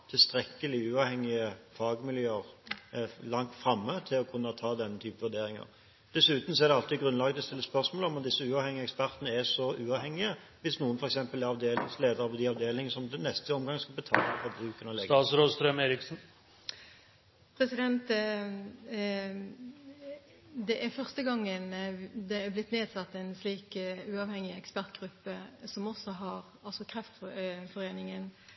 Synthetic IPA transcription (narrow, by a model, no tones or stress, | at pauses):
t̪ʰɪlst̪ɾɛkːəlɪʉːɑʋhɛŋːɪəfɑːɡmɪljøːəʁ | lɑŋt̪fɾɑmːət̪ʰɪlɔkʰʉnːət̪ʰɑːd̪ɛnːət̪ʰyːpəʋʉd̪eːɾɪŋə̰ʁ | d̪̥ɛsʉːt̪əm̩sɔɛʁd̪ɛɑlt̪ɪɡɾʉnlɑːɡəd̪ɛst̪ɪlːəspœɾsmoːlɔmɑmd̪ɪsːəʉːɑʋhɛŋːɪəɛkspæɾt̪nəæsɔʔʉːɑːʋhɛŋːɪə | ʋɪsnuːənfɔɾɛksɛmpəlæɾɑʋd̪eːlɪŋsleːd̪əɾɑʋɔd̪ɪɑʋd̪eːlɪŋəsɔmd̪ɛnɛst̪əɔmɡɑŋːskɑlbət̪ʰɑ̰ːləfɔbɾʉːkənɔleːɡ̪ɑsɾoːst̪ɾœmeːɾɪksn̩ | pʰɾɛsɪd̪ɛnt̪ | d̪ɛʔæɾfœʁst̪əɡɑŋːənd̪ɛæblɪt̪ːneːd̪sɑt̪ːɛɪnsliːkʉːɑʋhɛŋːɪɛkspæɾt̪̚ɡʁʉpːəsɔmɔsːɔɦɑɾ | ɑlsɔkʰɾɛft̪fɔɾeːnɪŋən